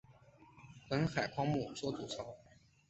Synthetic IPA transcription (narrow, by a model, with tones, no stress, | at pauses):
pə˧˥nxa˨˩ɪkʰwɑ˥ŋmu˥˩t͡swɔ˥t̪u˨˩t͡sʰɑ˧˥ʊ